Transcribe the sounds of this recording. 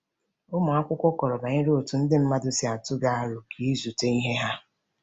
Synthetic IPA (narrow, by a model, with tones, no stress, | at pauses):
ʊ˦mʊ˨a˦kʷʊ˦kʷɔ˦kɔ˨ɾɔ˨ba˨ɲɪ˦ɾo˨tu˨n̩˦dɪ˦m̩˦ma˦dʊ˦sɪ˨˦a˨tʊ˦ɡa˦a˦ɾʊ˨kʰi˦zu˨te˦i˦ɦe˦ɦa˦